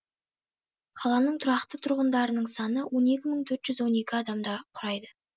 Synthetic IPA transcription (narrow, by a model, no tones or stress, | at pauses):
qʰɑlˠɑnəɴt̪ʰʊɾɑqt̪ət̪ʰʊɾʁənd̪ɑɾənəɴsɑnəwo̞ne̞kʲɪməɴt̪ʰɵɾt̪ʒ̥ʏzwo̞ne̞kʲɪɑd̪ɑmd̪ɑqʰʊɾɑjd̪ə